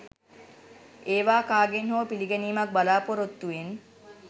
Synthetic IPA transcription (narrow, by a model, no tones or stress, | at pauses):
eːʋaːkaːɡenɦoːpiliɡeniːmɐk̚balaːpoɾot̪ːuen